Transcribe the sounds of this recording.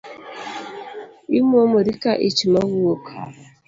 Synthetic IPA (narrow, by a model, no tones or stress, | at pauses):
imomoɾikaʔit͡ʃimaɣuokʰa